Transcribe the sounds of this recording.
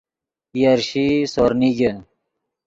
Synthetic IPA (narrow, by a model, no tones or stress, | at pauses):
jɐɾɕisoɾniɡe